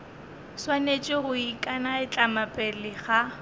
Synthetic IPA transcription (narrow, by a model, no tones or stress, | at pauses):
swanet͡ʃʼɪɣʊikʼanaɪt͡ɬʼamapʼɛlɪχa